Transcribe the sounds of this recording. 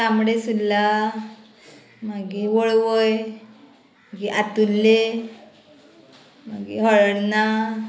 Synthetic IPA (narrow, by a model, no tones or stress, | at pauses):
amɽesud̪ːa | maɡiʋɔɭʋoj | maɡiʔat̪ulːe | maɡḭɦəɭəɽna